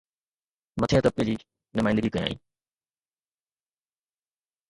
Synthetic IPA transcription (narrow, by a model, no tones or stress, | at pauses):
mɐt̪ʰejãt̪ɐp̚ked͡ʑiː | nʊmaːɪ̃nd̪əɡikɐĩa̰ːḭ̃ː